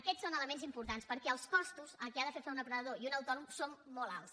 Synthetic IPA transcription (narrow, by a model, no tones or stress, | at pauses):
əkɛsonələmenzimpuɾt̪anspəɾkɛəlˠskɔst̪uzəlˠkɛaðəfeɾfaunəpɾəðəðoiunəwt̪ɔnumsomːɔlˠa̰lˠs